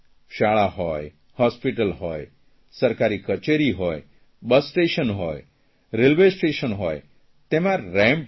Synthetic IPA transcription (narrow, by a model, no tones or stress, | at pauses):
ʃaɭahɔj | hɔspiʈəlɦɔj | səɾkaɾikət͡ʃeɾiɦoj | bəsːʈeʃənɦoj | ɾelʋesʈeʃənɦoj | t̪emãɾɛ̃mp